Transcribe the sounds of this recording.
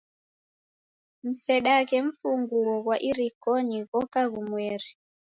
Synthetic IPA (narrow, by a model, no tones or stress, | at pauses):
m̩sɛɗakɛɱ̩fuŋɡuɔɣwaʔiɾikɔɲiɣɔkaɣumwɛɾi